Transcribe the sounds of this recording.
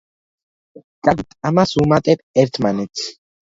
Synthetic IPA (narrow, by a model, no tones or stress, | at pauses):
kʼaɡit̪ʼamasumat̪ʼɛbɛɾt̪ʰmanɛt̪s